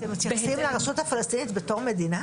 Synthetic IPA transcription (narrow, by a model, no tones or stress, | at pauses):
t̪emt̪jasimlaʁasot̪hafalest̪iːnit̪bet̪oʁmed̪ina